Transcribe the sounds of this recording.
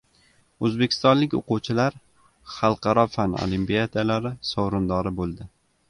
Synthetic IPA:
ɵzbekʲʰɪ̥st̪ɒnlɪkʲo̰quwt͡ʃʰɪlaɾ | χɑlˠqʰɑɾɒfano̰limpijad̪alaɾɪsɒwɾʊnd̪ɒɾɪbolˠd̪ɪ

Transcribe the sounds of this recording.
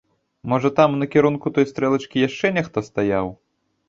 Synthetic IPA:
mɔʐɐt̪amnɐkʲɛɾunkut̪ɔjst̪ɾɛlˠɐt͡ʂkʲijaʂt͡ʂɛnʲɛxt̪ɔst̪ajaw

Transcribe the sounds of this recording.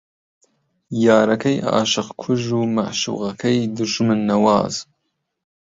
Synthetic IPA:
jɑːɾɐkʰɐjɑ̰ːʃɨqkʷʰuʒuːma̰ʕʃṵːʁɐkʰɐjd̪ɨɾʒɨmɨnːɐwɑ̰ːz̥

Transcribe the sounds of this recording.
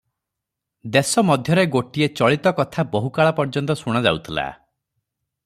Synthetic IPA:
d̪esɔmɔd̪ʱjɔɾeɡoʈiet͡ʃɔɭit̪ɔkɔt̪ʰabɔɦukaɭapɔɾd͡ʒɔnt̪ɔsuɽ̃ɔd͡ʒa̰ut̪ʰila̰

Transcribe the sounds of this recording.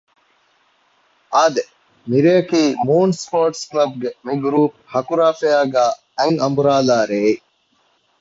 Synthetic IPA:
aːd̪e | miɾeːɐkiːmuːnspoːɾʈsklɐb̚ɡemiɡɾuːp̚hɐkuɾaːfeaːɡæː | eŋɐmbuɾaːlaːɾeː

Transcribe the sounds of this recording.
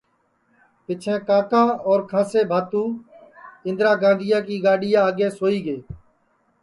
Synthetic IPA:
pɪt͡ʃʰẽːkãːkãːɔːɾkʰãːseːbʱaːt̪ũː | ɪ̃nd̪ɾaːɡãːnd̪ʱɪjãːk̬iːɡaːɖɪjãːəːɡeːsoːiːɡeː

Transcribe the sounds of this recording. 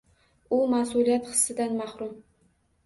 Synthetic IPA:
umasulijat̪χə̥sːɨd̪anmɑχɾum

